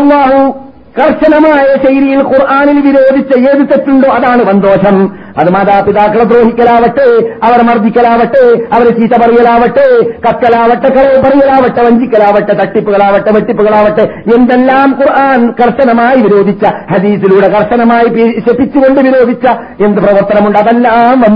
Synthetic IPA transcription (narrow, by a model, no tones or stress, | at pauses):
ɐlˠːaːɦu | kɐrʂɐnɐmaːjɐɕɐjɾijilkurʔaːnilʋiɾoːd̪ʱit͡ɕːɐjeːðit̪ːɐʈːuɳɖoːɐðaːɳɨʋɐnd̪o̞ːʂɐm | ɐ̰ðɨmaːt̪aːpiðaːkːɐɭɐd̪ɾoːɦikʲːɐlaːʋɐʈːeɐʋɐɾmɐrd̪ʱikʲːɐlaːʋɐʈːeɐʋɐɾet͡ɕiːtɐpɐrijɐlaːʋɐʈːekɐkːɐlaːʋɐʈːekːɐɭɐjpɐrijɐlaːʋɐʈːeʋɐɲd͡ʑikʲːɐlaːʋɐʈːet̪ɐʈːipːuɣɐɭaːʋɐʈːeʋɐʈːipːuɣɐɭaːʋɐʈːeend̪elːaːmkurʔaːnkɐrʂɐnɐmaːjiʋiɾo̞ːd̪ʱit͡ɕːɐhɐd̪iːsiluːɽekɐrʂɐnɐmaːjipiɕepːit͡ɕːuɣo̞ɳɖɨʋiɾo̞ːd̪ʱit͡ɕːɐ | end̪ɨprɐʋɐrt̪ɐnɐmuɳɖɐðelːaːmʋɐ